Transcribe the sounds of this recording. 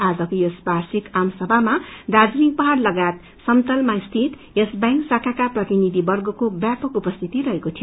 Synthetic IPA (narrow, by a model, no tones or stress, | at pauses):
ad͡zʌkojesbarsikamsʌbʱamad̪ad͡znik̚pʌɦarlʌɡat̪ | sʌmt̪ʌlmaist̪ʰit̪ | esbaŋksakʰakaprʌt̪inid̪ʱibʌrɡʌkobjapʌkupʌst̪ʰit̪iɾʌɦekot̪ʰijo